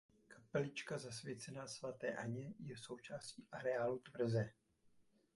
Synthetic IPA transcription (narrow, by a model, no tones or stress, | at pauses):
kʰḁpɛlɪt͡ʃkazasvjɛt͡sɛnasvat̪ɛ̰ːʔa̰ɲɛjɛso̞wt͡ʃaːsciːʔaɾɛaːlut̪vr̩zɛ